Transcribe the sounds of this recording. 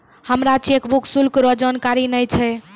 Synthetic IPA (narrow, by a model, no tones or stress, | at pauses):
həmɾat͡ʃekbuksulkɾəd͡ʒankaɾinəjt͡ʃʰɛ